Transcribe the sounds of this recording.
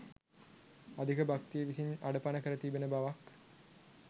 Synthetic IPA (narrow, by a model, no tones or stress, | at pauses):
ad̪ikəbak̚t̪ijeʋisinaɖəpanəkəɾət̪ibenəbaʋak